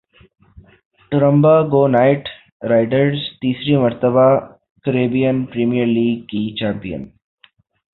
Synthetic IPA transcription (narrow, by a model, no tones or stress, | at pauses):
ʈʊɾə̃mbaɡoːnaːɪʈ | ɾaɪɖəɾzt̪iːsɾimɐɾt̪əba | kəɾeːbijənpɾiːmijəɾliːɡ̚kit͡ʃãːmpijə̰n